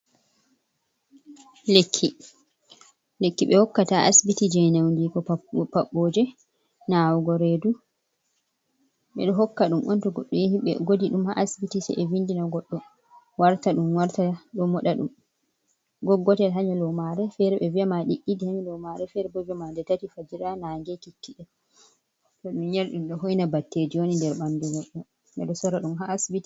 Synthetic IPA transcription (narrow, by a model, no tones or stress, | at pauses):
lekʰːi | lekːiɓɛhɔkːataʔasbitid͡ʒɛnawndikɔpaɓːoːd͡ʒɛ | nawɔɡɔɾedu | ɓɛ̰ɗɔɦɔkːaɗumʔɔntɔɡɔɗːɔjehiɓɛ̰ɡodiɗumha̰ʔasbitisɛ̰ʔɛvindinaɡɔɗːɔ | waɾtaɗumwaɾtaɗɔmɔɗaɗṵm | ɡɔɡːɔtɛlɦaɲalɔmaɾɛfɛɾɛɓɛviamaɗiʔidihaɲɛlɔmaɾɛfɛɾɛbɔd͡ʒɔmadɛtatifad͡ʒiɾanaŋɡɛkikːiɗɛ | tɔɗumɲaɾɗumɗɔɦojnabatːed͡ʒiwonindɛɾɓanduɡɔɗːɔ | ɓɛ̰ɗɔsɔɾaɗumɦaʔːsbiti̥